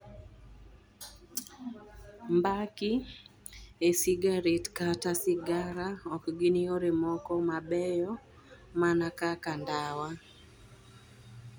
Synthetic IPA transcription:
mbaki | esɪɡaɾetkatasɪɡaɾaɔkɡɪnioɾemɔkɔmabɛjɔ | manakakandawa

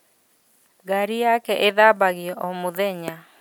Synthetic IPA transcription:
ɡaɾijakɛʔeðabaɣiɔʔɔmuðɛɲa

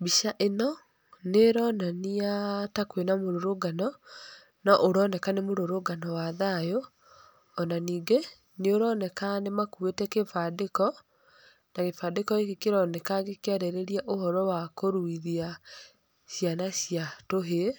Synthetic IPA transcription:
biʃaʔenɔ | neɾɔnaniatakwenamoɾoɾoɡanɔ | nɔʔoɾɔnɛkanemoɾoɾoɡanɔwaðajoː | naniːŋɡe | neoɾɔnɛkanemakuetɛkefadekɔ | nakefadekɔekekeɾɔnɛkaɡekeaɾɛɾeɾiaʔohɔɾɔwakoɾuiðia | ɕjanaɕijatoɦe

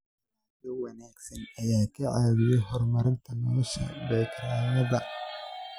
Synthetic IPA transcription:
ɐːðɐwɐnaːɡsɐnɐjaːkʰɐʕaːβɪjɛjɦɔrmɐɾɪnt̪ʰɐnɔlɐʃɐ̰bɛːkɾaːmɐðɐ

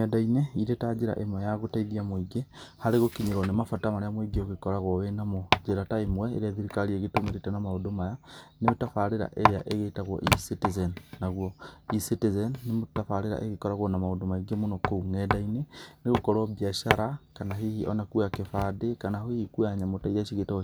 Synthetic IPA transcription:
ɛdaineiɾetad͡ʒeɾa̰ʔemwɛjaɣotaiðiamoiɡehaɾeɣokiɲeɾɔnemafatamaɾeamoiɡeoɣekɔɾaɣwɔwenamod͡ʒeɾataemwɛḛɾeaðiɾikaɾieɣetomeɾetanamaodomajanemotafaɾeɾa̰ʔeɾeaʔeɣetaɣɔ̰ʔisitizɛnnaɣwɔisitezɛnːemotafaɾeɾa̰ʔeɣekɔɾaɣwɔnamaodomaiɡemonɔkouŋɛdaineneɣokɔɾɔbiaʃaɾakanaɦihiʔɔnakuakefadekanaɦoihikuaɲamotaiðaʃiɣetɔ

